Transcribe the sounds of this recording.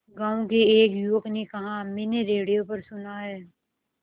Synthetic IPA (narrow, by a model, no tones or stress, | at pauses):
ɡãːõkeeːkjuəknekɐɦãmeːneɾeːɽijopɐɾsʊnaɦɛː